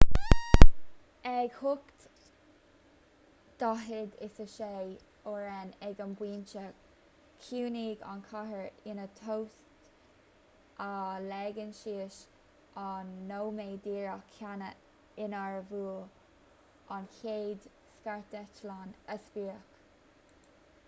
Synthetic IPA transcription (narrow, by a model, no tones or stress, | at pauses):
ɛɡhʊkt̪ | d̪̥aɦɪd̪ɪsəʃej | oɹɛnɛɡənbwiːnt͡ʃəɡ | kʰuːniːɡa̰nkʰaɦəɹɪnət̪ʰowstt | ʔalɛɡənʃiːʃ | ʔanːoːmeːd̪iːɹəkʰːanə | ɪnaɹəvuːl | ʔankʰeːd̪ | skaɹt̪ɛt͡ʃlanəspiːək